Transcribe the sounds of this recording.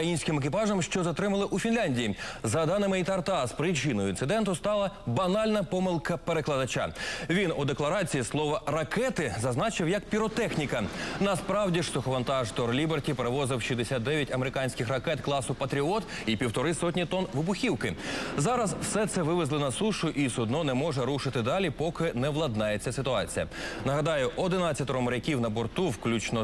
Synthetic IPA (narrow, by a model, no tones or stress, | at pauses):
ɐjinʲsʲkɪmek̬ʲipɑʒɐmʃt͡ʃɔzɐt̪ɾɪmɐlˠɪʔufʲinlʲanʲdʲijizɐd̪ɑnɪmɪit̪ɐrt̪ɑspɾɪt͡ʃɪnɔjʊinɪd̪ɛnt̪ʊst̪ɑlˠɐbɐnɑlʲnɐpɔmɪlˠkɐpeɾeklˠɐd̪ɐt͡ʃa̰ʋʲinud̪eklˠɐɾɑt͡sʲijislˠɔʋɐrɐkɛt̪ɪzɐznɑt͡ʃɪwjɐkpʲiɾɔt̪ɛxnʲikɐnɐspɾɑwdʲiʂt̪ʊxɔʋɐnt̪ɑʒt̪ɔrlʲibertʲipeɾeʋɔzɪwʃid̪esʲat̪̚d̪ɛʋʲjɐtʲɐmeɾɪkɑnʲsʲkɪxrɐkɛt̪klˠɑsʊpɐt̪ɾʲiɔt̪ | ipʲiwt̪ɔɾɪsɔt̬ʲnʲit̪ɔnʋɪbʊxʲiwkɪzɑɾɐzwsɛt̪sɛʋɪʋɪzlˠɔnɐsuʃʊʔisʊd̪nɔnɛmɔʒɛɾuʃɪt̪ɪd̪ɑlʲipɔkɪnɛʋlˠɐd̪nɑjet͡sʲːɐsɪt̪ʊɑt͡sʲijɐnɐɦɐd̪ɑjʊʔɔd̪ɪnɑt͡sʲːɐt̪ɔɾɔmʊɾʲɐkʲiwnɐbɔrt̪uwklʲut͡ʃnɔ